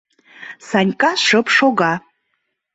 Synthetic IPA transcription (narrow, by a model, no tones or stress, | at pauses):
sanʲkʼaʂɨpʰʂoɡa